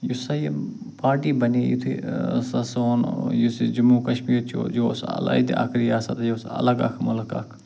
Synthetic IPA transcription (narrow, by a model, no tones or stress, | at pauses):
jusɐji | paːɾʈiːbɐnijṵt̪ʰḭsɐsoːnjusid͡ʒʊmuːkɐʃmiːɾt͡ʃʰo̰ːd͡ʒoːsɐ̰l̰id̪iɐ̰kʰɾiːaːsɐt̪joːsɐ̰ləɡa̰kʰmʊləka̰kʰ